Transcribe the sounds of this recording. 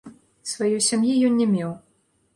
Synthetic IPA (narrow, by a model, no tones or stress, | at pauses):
svajɔjsʲamjijɔnnʲɛmʲɛw